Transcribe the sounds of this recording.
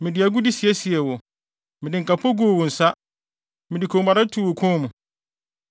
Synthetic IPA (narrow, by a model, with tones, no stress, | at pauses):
mɪ̃˨dɪ˨a˨ɡʊ˦di˦si˨ɛ˦si˨ɛ˨wɔ˨ | mɪ̃˨dɪ˨ŋ̩˨kʰa˨pʰɔ˦ɡu˦o˨wo˨n̩˨sa˦ | mɪ̃˨di˨kʰõ˨˦a˨ɾa˦tʰu˦˨wo˨kʰɔ̃˦mũ˨